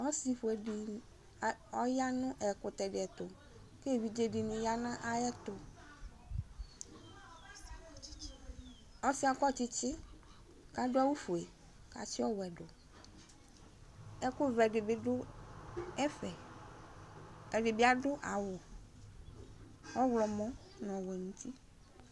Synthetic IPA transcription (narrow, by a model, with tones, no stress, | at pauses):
ɔ˦si˨ɸu˨ɛ˨i˨ | ɔ˦ja˦nʊ̃˦ʔɛ˨kʊ˨t̪ɛ˨ɖɪ˨ɛ˨t̪ʊ˨ | ke˦˨wi˦d͡ʒe˦ɖi˨nʊ̃˨ja˦nã˦ʔa˨jɛ˦t̪ʊ˨ | ɔ˦si˦a˨kɔ˦t͡ʃi˦t͡ʃɪ˦ | ka˦ɖo˦a˦wu˦fu˨e˨ | ka̰˨si˦ɔ˦wɛ˨ɖo˨ | ɛ˦ku˦vɛ˨ɖe˨be˦ɖʊ˦ | ɛ˦ɸɛ˨ | ɛ˨ɖe˨be˦a˦ɖʊ˦ʔa˨wɔ˨ | wɔ˦wlɔ˨mɔ̃˦ | nɔ̃˨wɛ˨nũ˨t̪i˦